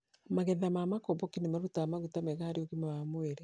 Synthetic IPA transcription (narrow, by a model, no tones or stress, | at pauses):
maɣɛðamaːmakɔbɔkinemaɾutaːmaɣutamɛɣaːɾioɣimawamweɾɛ